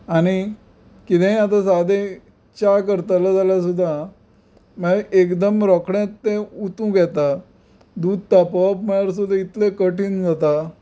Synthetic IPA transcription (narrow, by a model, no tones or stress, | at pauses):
aɽ̃i | kit̪ʰɛ̃at̪̬asad̪ẽ | t͡ɕakəɾt̪alad͡zaljas̬ud̪ʱːa | məɭʔekd̪əmɾɔkɽẽt̪ːẽut̪ũɡɛt̪a | d̪ud̪̚t̪apəapməɭaɾs̬ud̪ʱãit̪lekəʈiːnd͡zat̪a